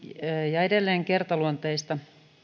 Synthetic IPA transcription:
jɑedelːeːŋkert̪ɑluont̪eist̪ɑ

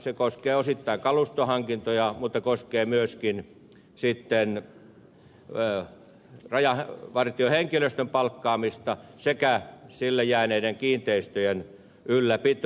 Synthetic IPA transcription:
sekoskeːosit̪ːɑiŋkɑlust̪ohɑŋkint̪ojɑmut̪ːɑkoskeːmyøskin | sit̪ːen | rɑjɑhʋɑrt̪ioheŋkiløst̪ømpɑlkːɑːmist̪ɑsekæsilːejæːneideŋkiːnt̪eist̪øjen | ylːæpit̪

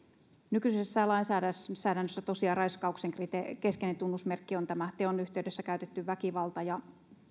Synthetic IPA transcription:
nykysesːælɑinsæːdæsæːdænːøsːæt̪osiɑrɑiskɑukseŋkrit̪ekeskenent̪unːusmerkːiont̪æmæt̪eonyht̪eydesːækæyt̪et̪ːyʋʋækiʋɑlt̪ɑjɑ

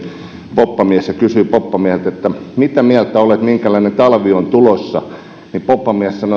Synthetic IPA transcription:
popːɑmiæsjɑkysyipopːɑmiæhelt̪et̪ːæmit̪æmiælt̪æolet̪miŋkælæinent̪ɑlʋiont̪ulosːɑ | nipopːɑmiæssɑno

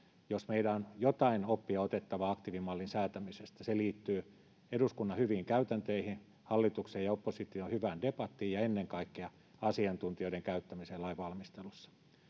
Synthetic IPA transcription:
josmeilæonjot̪ɑinopːiɑot̪et̪ːɑʋɑɑkt̪iʋimɑlːinsæːt̪æmisest̪æseliːt̪ːyː | eduskunːɑhyʋiːŋkæyt̪ænt̪eihin | hɑlːit̪ukseːjɑopːosit̪iohyʋændepɑt̪ːiːjɑenːeŋkɑikːeɑ | ɑsiɑnt̪unt̪ioiɾeŋkæyt̪ːæmiseːlɑiʋʋɑlmist̪elusːɑ̥

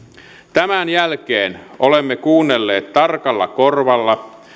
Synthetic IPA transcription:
t̪æmænjælkeːnʔolemːekuːnːelːeːt̪t̪ɑrkɑlːɑ̰korʋɑlːɑ

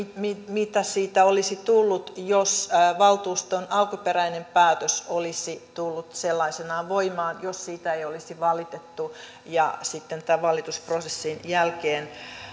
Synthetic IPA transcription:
mimit̪æsiːt̪æolisit̪ulːut̪josʋɑlt̪uːst̪onɑlkuperæinempæːt̪øsolisit̪ulːut̪selːɑisenɑːʋoimɑːnjossiːt̪æeiolisiʋɑlit̪et̪ːu | jɑsit̪ːent̪æʋʋɑlːˑit̪usprosesːinjælkeːn

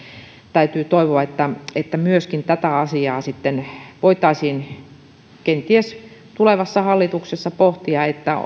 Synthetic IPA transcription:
t̪æyt̪yːt̪oiʋoɑet̪ːæet̪ːæmyøskint̪æt̪æɑsiɑːsit̪ːenʋoit̪ˑɑisiːn | kent̪iest̪uleʋɑsːɑhɑlːit̪uksesːɑpoht̪iɑet̪ːæ

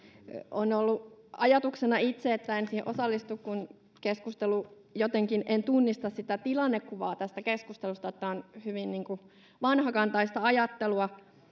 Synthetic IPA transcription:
onolːuɑjɑt̪uksenɑit̪seet̪ːæensiːheʔosɑlːist̪ukkun | keskust̪elu | jot̪eŋkinent̪unːist̪ɑssit̪æt̪ilɑnːekkːuʋɑːt̪æst̪ækeskust̪elust̪ɑjot̪ːæonhyʋinniːŋku | ʋɑnhɑkɑnt̪ɑist̪ɑɑjɑt̪ːeluɑ

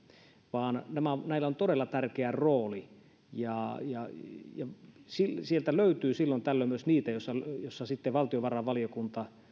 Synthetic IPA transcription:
ʋɑːnnæmænæˑilːˑæont̪odelːɑt̪ærkeæroːli | jɑjɑjɑsilsielt̪æløˑyt̪yːsilːont̪ælːømyøsniːt̪æjosːɑjosːɑsit̪ːeʋɑlt̪ioʋɑrɑʋɑlijokunt̪ɑ

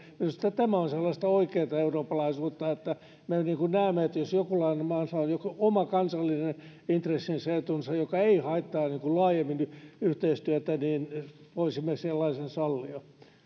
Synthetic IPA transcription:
miust̪ːæt̪æmæonselːɑst̪ɑoikeːt̪ɑeuroːpːɑlɑisuːt̪ːɑet̪ːæ | meniːŋkunnæːmːeet̪josjokulɑinemɑːnsɑonjokuomɑkɑnsɑlːinenint̪resːinseːt̪unsɑjokɑeihɑit̪ːɑːniːŋkullɑːjemːinyht̪eist̪yæt̪æniːnpoisimːeselːɑisensɑlːiɑ

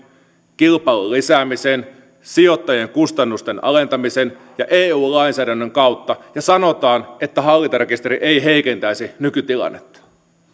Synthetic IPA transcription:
kilpɑilulisæːmisen | sijo̞t̪ːɑjeŋkust̪ɑnːust̪enɑ̰le̞nt̪ɑmisen | jɑʔeːuːlɑinsæːdænːøŋkɑwt̪ːɑjɑsɑno̞t̪ɑːnet̪ːæɦɑlːit̪ɑɾekist̪eɾiʔeiɦeike̞nt̪æisinykyt̪ilɑ̰nːet̪ːɑ̥

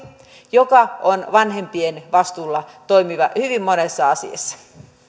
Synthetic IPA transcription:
jokɑonʋɑnhempienʋɑst̪uːlːɑt̪oimiʋɑhyʋimmonesːɑɑsḭɑ̰sːɑ̥

